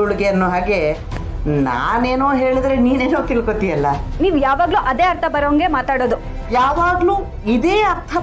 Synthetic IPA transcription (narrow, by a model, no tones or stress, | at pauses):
uɽiɡejɐnːoːɦaːɡe̞ | naːneːnoːɦeːɭid̪ɾe̞niːneːnoːt̪ilkot̪ijɐlːɐniːʋjaːʋaːɡluʔɐd̪eːɐɾt̪ʰɐbɐɾoːɐŋɡe̞maːt̪aːɽoːd̪u | jaːʋaːɡluː | id̪e̞ːɐɾt̪ʰɐ